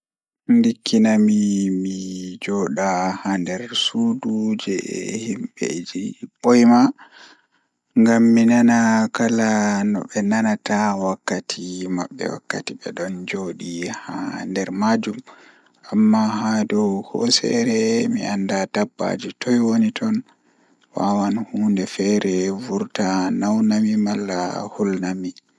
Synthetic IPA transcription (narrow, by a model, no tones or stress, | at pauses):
ndikʰːinamimid͡ʒɔɗahandɛɾsudud͡ʒɛɛ̰himɓḛd͡ʒiɓɔjma | ŋɡamːinanakalanɔ̰ɓɛnanatawakːatʰima̰ɓːɛ̰wa̰kːatiɓɛ̰ɗɔnd͡ʒoːɗihandɛɾmad͡ʒum | amːahadɔwhɔ̰sɛ̰ɾɛmiʔandadabːa̰d͡ʒitʰɔjwonitʰɔn | wa̰wanhuːndɛfɛɾɛvuɾtanawnamimalːa̰hulnami